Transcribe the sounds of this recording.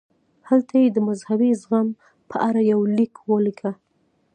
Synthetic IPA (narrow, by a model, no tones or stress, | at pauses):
halt̪ʰajed̪əmazhabizɣam | pʰəʔaɾajawlikwəlikʰa